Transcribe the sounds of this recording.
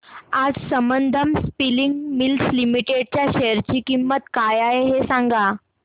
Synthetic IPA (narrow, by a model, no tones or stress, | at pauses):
ad͡zsəmənd̪ʱəmspiliŋɡmilslimiʈeɽ̚t͡ɕjaɕejɾt͡ɕiːkimːət̪kajaeɦesãŋɡa